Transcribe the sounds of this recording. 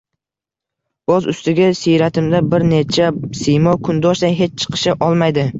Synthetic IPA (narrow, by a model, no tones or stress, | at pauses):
ozʊst̪ɪɡʲasijɾat̪ʰɪmd̪abɪɾne̞t͡ʃʰasɪjmɒkʰʊnd̪ɒʃd̪ajɦe̞t͡ʃt͡ʃʰɨ̥qʰɨ̥ʃɪʔɒlˠmajd̪ɪ